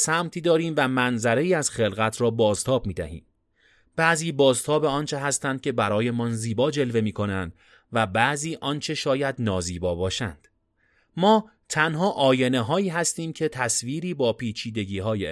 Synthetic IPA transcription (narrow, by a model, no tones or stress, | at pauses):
sæmt̪ʰiːd̪ɒːɾiːmvæmænzæɾe̞iːæz̥xe̞lɣæt̪ʰɾɒːbɒːzt̪ʰɒːb̥̚miːd̪æhḭːm | b̥æːziːbɒːzt̪ʰɒːbeɒːnt͡ʃʰe̞ɦæst̪ænd̪̚cʰʲe̞bæɾɒːje̞mɒːnziːbɒːd͡ʒe̞lve̞miːkʰo̞nænd̪̥ | væbæʔziːʔɒnt͡ʃʰe̞ʃɒːjæd̪nɒːziːbɒːbɒːʃæ̰nd̪̥ | mɒː | t̪ʰænɦɒːʔɒːje̞neɦɒːiːɦæst̪iːmcʰet̪ʰæsviːɾiːbɒːpʰiːt͡ʃʰiːd̪e̞ɟiːɦɒːje